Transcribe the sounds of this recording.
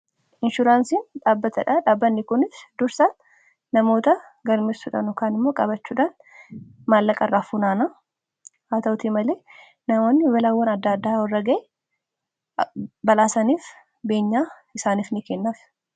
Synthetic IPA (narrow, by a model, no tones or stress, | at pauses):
ʔɪnʃʊɾaːnsiːnᶑaːbːɐt̪ɐᶑɐᶑaːbːɐnːɪkʊnɪsd̪ʊɾsan | nɐmo̞ːt̪ɐ | ɡɐɾmeːsʊᶑɐ̰nɔkaːnɪmːo̞ːkʼɐbɐt͡ʃːuːᶑaːn | maːlːɐkʼɐrːaːfuːnaːna | aːt̪ɐʊt̪imɐleː | nɐmo̞ːnːɪwɐlɐwːɐnɐd̪ːɐːd̪ːaːwɐrːɐɡɐʔɛ | bɐlaːsɐniːf | be̞ːɲːaː | ɪsaːniːfnɪkɛnːaːf